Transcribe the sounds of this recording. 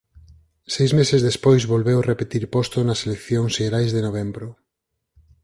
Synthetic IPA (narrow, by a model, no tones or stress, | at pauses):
sejzmesezðespojzβolβewrepet̪iɾpost̪onɐselekθjoŋseeɾajzðenoβ̞embɾʊ